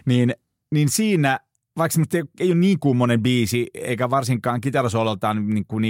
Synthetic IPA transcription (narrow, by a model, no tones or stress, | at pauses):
niːn | ninsiːnæ | ʋɑiksemost̪ːeoeˑijonniːŋkumːonembiːsiḛikæʋɑrsiŋkˑɑːŋkit̪ɑræsolelt̪ɑːnniŋkuni